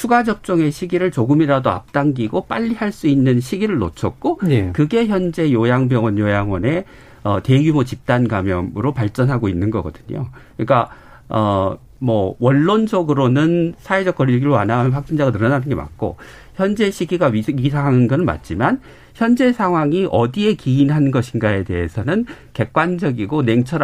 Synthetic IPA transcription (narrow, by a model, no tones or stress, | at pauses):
sʰuɡad͡ʑʌp̚t͡ɕ͈ʌŋe̞ɕʰiɡiɾɯɭt͡ɕoɡɯmiɾadoa̰p̚t͈aŋɡiɡop͈aʎːihaɭs͈uinːɯnɕʰiɡiɾɯɭnot͡ɕʰʌk̚k͈okɯɡe̞çjʌnd͡ʑe̞jojaŋbjʌŋwʌnjojaŋwʌne̞ | ʌte̞ɡjumot͡ɕip̚t͈anɡamjʌmɯɾopaɭt͡ɕ͈ʌnɦaɡoinːɯnɡʌɡʌdɯɲo̰ɯik͈a | ʌ | mʌwʌnːond͡ʑʌɡɯɾonɯnsʰae̞d͡ʑʌk͈ʌɾiɭɡiɾoanamʌnɸak̚t͡ɕ͈ind͡ʑaɡanɯɾʌnanɯnɡema̰k̚k͈o̰ | çjʌnd͡ʑe̞ɕʰiɡiɡaɥisʰaŋɦanɯnɡʌnɯnma̰t̚t͡ɕ͈iman | çjʌnd͡ʑe̞sʰaŋɦwaŋiʔʌdie̞kiinɦannɡʌɕʰinɡae̞te̞ɦesʰʌnɯn | ke̞k̚k͈wand͡ʑʌɡiɡone̞ŋt͡ɕʰʌɾ